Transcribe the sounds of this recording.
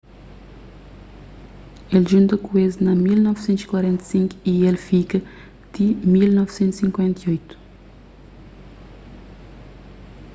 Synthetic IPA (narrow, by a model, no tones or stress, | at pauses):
elʒũnt̪ɐkueznɐmilnɔvsẽnt̪zi̥kwaɾẽnt̪ɐsĩŋku̥ielfikɐ | t̪imilnɔvsẽnt̪u̥sĩŋkwẽnt̪ɐjojt̪u̥